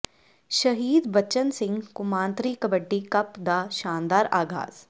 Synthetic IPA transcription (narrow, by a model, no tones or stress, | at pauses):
ʃəɦiːd̪bət͡ʃənsɪ̃ŋɡkʊmãːnt̪ɾiːkɐbəɖːiːkɐpd̪aːʃaːnd̪aːɾaːɡʱa̰ːz̥